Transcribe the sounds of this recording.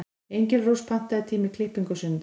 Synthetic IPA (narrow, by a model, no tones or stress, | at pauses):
ejɲcɪlrowspʰan̥t̪aðɪt̪ʰiːmɪkʰlɪhpiŋkʏsʏnt̪